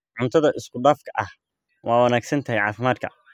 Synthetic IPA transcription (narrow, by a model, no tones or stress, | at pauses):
ʕʊnt̪ʰɐðɐʔɪskʰʊɖaːfkʰɐʔɐh | wʔɑːwɐnaːɡsɐnt̪ʰɐɦɛjʕɑːfɪmaːd̪̚kʰɐ